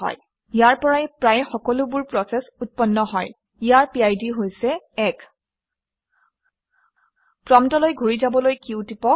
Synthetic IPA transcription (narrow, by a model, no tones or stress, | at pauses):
ɔ̰j | ijaɹpɔɹajpɹajxɔkɔlʊbʊɹpɹɔsɛsut̚pɔnːɔɦɔj | ijaɹpiajdiɦojsɛ | ɛk | pɹɔmtɔlojɡʱuɹizabɔlojkiʊtipɔk